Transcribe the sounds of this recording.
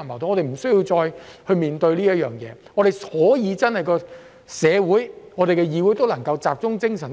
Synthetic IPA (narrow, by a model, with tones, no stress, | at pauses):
mɐ˨˩t̪o˧ŋɔː˨˧te˨m̩˨˩sɵ˥ɥji˧wt͡sɔː˧jhɵ˧ɥmiː˨nt̪ɵ˧ɥliː˥jɐ˥t̚jœː˨˩ŋjɛ̰ː˨˧ŋɔː˨˧ɾe˨jhɔː˨˥jiː˨˧t͡sɐ˥nhɐ˨jkɔː˧ | sɛː˨˧wuː˨˥jŋɔː˨˧ɾe˨jkɛ˧jiː˨˧wu˨˥jt̪o˥wlɐ˨˩ŋkɐ˧wt͡saː˨p̚t͡sʊ˥ŋt͡sɪ˥ŋsɐ˨˩n